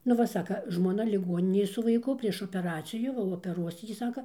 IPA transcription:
nʊ ˈʋɐ ˈsɑːkɐ ˈʒmoːnɐ lʲɪˈɡuɔnʲɪnʲeːj sʊ ʋɐɪˈkʊ pʲrʲiɛʃ oːpʲɛˈrɑːt͡sʲɪjuː oːpʲɛˈruɔs ˈjiː ˈsɑːkɐ

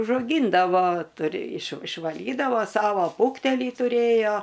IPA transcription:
ʊʒɐʊˈɡʲiːndɐʋoː ˈtʊrʲɪ ɪʃ ɪʃʋɐˈlʲiːdɐʋoː ˈsɑːʋoː ˈfuːktʲɛlʲiː tʊˈrʲeːjoː

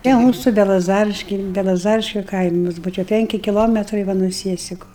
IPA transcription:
tʲiɛ ˈmuːsʊ bʲɛlˠɐˈzɑːrʲɪʃʲkʲɛɪ bʲɛlˠɐˈzɑːrʲɪʃʲkʲʊ ˈkɐɪmʊs ˈbʊʋoː t͡ʃʲɛ ˈpʲɛŋʲkʲɪ kʲɪˈlˠoːmʲɛtrɐɪ ˈʋɐ nuɔ ˈsʲiɛsʲɪkʊ

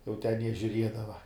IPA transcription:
jɛʊ tʲɛn jiɛ ʒʲʊˈrʲiɛdɐʋɐ

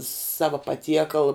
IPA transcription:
ˈsɑːʋɐ pɐˈtʲiɛkɐlˠ

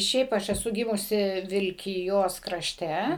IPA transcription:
ˈʃʲɛɪp ˈɐʃ ɛˈsʊ ˈɡʲɪmʊsʲɪ ʋʲɪlʲkʲɪˈjoːs krɐˈʃʲtʲɛ

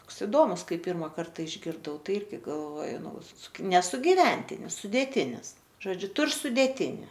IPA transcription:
ˈtoːks ɪˈdoːmʊs ˈkɐɪ ˈpʲiːrmɐ ˈkɐrtɐ ɪʒʲɡʲɪrˈdɐʊ ˈtɐɪ ˈɪrʲɡʲɪ ɡɐlˠˈʋoːjʊ ˈnʊ sʊkʲɪ nʲɛ sʊɡʲɪˈʋʲɛnʲtʲɪnʲɪs sʊdʲeːˈtʲɪnʲɪs ʒoːˈd͡ʒʲʊ ˈtʊr sʊdʲeːˈtʲɪnʲɪ

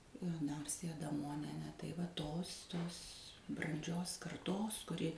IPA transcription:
ɐˈnɐrʲsʲɪjɛ ɐdɐˈmoːnʲiɛnʲeː tɐɪ ʋɐ ˈtoːs ˈtoːs brɐnʲˈd͡ʒʲoːs kɐrˈtoːs kʊˈrʲɪ

